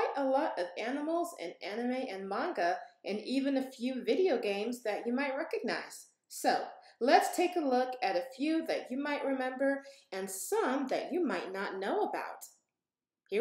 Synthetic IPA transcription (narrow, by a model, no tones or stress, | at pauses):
ɪʔəlɔɾʌvænəml̩ˠzɨ̰̃nænɨmiʔɨ̃nmɑ̃ŋɡəʔɨ̃nivɨ̃nɨfjʉvɪɾioʊɡẽɪ̃mzðɨt͡ʃɨmaɪt̚ɹɛkɨɡ̚na̰ɪz̥ | soʊlɨtstʰeɪkəlʊkɨɾɨfjʉðɨ̰t͡ʃɨmaɪʔ̚ɹɨmɛ̃mbə˞ɨ̃nsʌ̃mðɨ̰t͡ʃɨmaɪtⁿnətⁿnoʊəba̰ʊt̚ | h